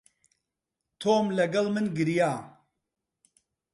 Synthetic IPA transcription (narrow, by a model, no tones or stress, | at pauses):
t̪ʰoːmlɐɡɐlmɨnɡɨɾijaː